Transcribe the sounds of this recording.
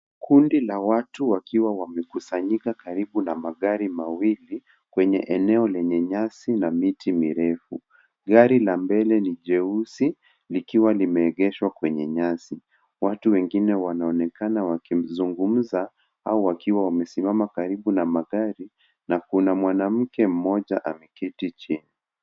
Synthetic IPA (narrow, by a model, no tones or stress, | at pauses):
kundilawatuwakiwawamɛkusaɲikakaɾiɓunamaɠaɾimawili | kwɛɲɛ̰ʔɛnɛɔlɛɲɛɲasinamitimiɾɛfu | ɠaɾilambɛlɛniʄɛusi | likiwalimɛːɠɛʃwakwɛɲɛɲasi | watuwɛŋɡinɛwanaɔnɛkanawakim̩zuŋɡum̩za | aɔwakiwawamɛsimamakaɾiɓunamaɠaɾi | nakunamwanam̩kɛm̩mɔʄaʔamɛkitit͡ʃini